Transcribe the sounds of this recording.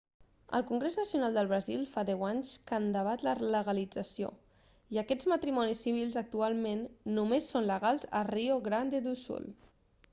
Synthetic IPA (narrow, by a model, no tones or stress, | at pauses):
ə̰lˠkuŋɡɾeznəsiunalˠd̪əlˠβɾəzilˠfaðɛwaɲskand̪əβ̞at̪lələɣəlid͡zəsio̰ | iəkɛd͡zmət̪ɾimɔnisiβ̞ilˠzək̚t̪ualˠmenːumesːonləɣalˠzə̰rioɣɾand̪ed̪usṵl